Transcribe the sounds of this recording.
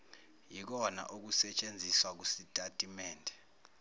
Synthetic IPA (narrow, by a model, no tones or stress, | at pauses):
jik̬ɔna̰ʔuk̬usɛt͡ʃʼend͡zʱiswak̬usitʼatʼimɛːndʱɛ